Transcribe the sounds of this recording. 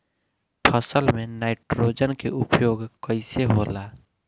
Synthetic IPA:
pʰəsəlmẽnaːɪʈɾoːd͡ʒənkeʊpjoːɡkəɪseɦolaː

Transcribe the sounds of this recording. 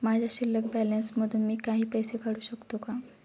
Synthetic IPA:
mad͡ʑʱjaɕilːək̚bælensməd̪ʱunmiːkaɦiːpəjsekʰaɽuːɕəkt̪oka

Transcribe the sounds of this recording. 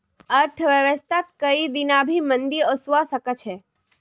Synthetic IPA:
əɾʈ̪ʰʋjəʋəst̪ʰat̪kəid̪inabʱimənd̪iosuʋasəkət͡ʃʰe

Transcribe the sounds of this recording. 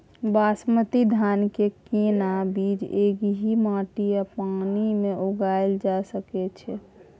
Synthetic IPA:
basmət̪id̪ʱankekenabid͡ʒeɡɦimaʈijapanimeʔoɡajld͡ʒasəkɛt͡ʃʰɛ

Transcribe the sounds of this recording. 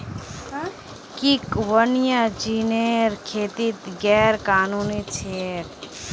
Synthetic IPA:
kikʋənijad͡ʒineɾkʰeːt̪it̪ɡɛːɾkaːnuːnit͡ʃʰeɾ

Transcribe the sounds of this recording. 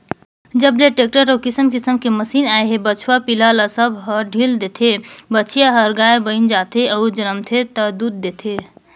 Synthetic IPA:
d͡ʒəbleʈek̚ʈəɾəukisəmkisəmkeməsinaeɦebət͡ʃʰwapilalasəbɦəɾɖʱild̪et̪ʰebət͡ʃʰijaɦəɾɡaebəɪnd͡ʒat̪ʰeʔəud͡ʒənəmt̪ʰet̪əd̪ud̪̚ːet̪ʰe

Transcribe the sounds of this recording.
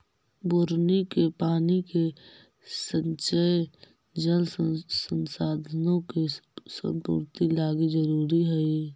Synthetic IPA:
bʊɾnikepaːnike | sə̃nt͡ʃə | d͡ʒəlsənsaːd̪ʱənõkesə̰̃nt̪ṵɾt̪ilaːɡed͡ʒəɾuːɾiɦɛi

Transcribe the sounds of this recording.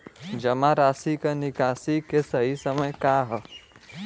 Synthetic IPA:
d͡ʒəmaɾaːsikenikaːsikesəɦisəməjkaɦə

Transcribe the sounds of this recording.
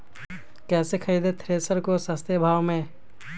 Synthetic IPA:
kɛːsekʰəid̪ʱet̪ʰɾeːsəɾkosəst̪ʰebʱaːwmẽ

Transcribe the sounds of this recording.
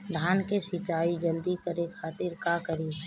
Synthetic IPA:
d̪ʱaːnkesɪt͡ʃaːid͡ʒəld̪ikəɾekʰaːt̪ɪɾkakəɾi

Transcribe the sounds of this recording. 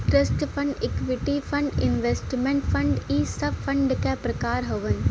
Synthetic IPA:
ʈɾəsʈpʰɐ̃ɳɖekʋɪʈifʰɐ̃ɳɖɪ̃nʋesʈmẽɳʈpʰɐ̃ɳɖiːsəfʰɐ̃ɳɖkepɾɐkaːɾɦɐʋən

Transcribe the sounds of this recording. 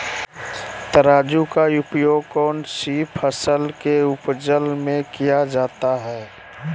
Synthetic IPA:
t̪əɾaːd͡ʒukaʊpjoːɡ̚kɔːnsiːpʰəsəlkeʊpd͡ʒəlmẽkijad͡ʒaːt̪aɦɛː

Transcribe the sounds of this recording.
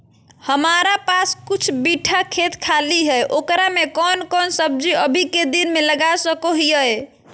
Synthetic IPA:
həmaɾapaskut͡ʃʰbiʈʰakʰet̪kʰaliɦɛjʔokɾamekɔnkɔnsəb̚d͡ʒiəbʱiked̪inmeləɡasəkoɦijəj

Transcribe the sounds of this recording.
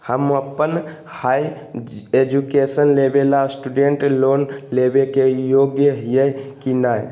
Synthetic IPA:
həməpːən | haj | ed͡ʒukesənlebelasʈuɖeɳʈlonlebekejoɡjəɦjəkinaj

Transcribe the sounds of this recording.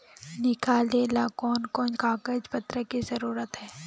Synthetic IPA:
nɪkʰaːleːlakɔːnkɔːnkaːkəd͡ʒpət̪ɾəkizəɾuːɾət̪ɦɛː

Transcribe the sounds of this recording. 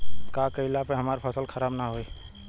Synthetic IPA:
kakəɪlapeɦɐmaːɾpʰəsəlkʰəɾaːbnaɦoiː

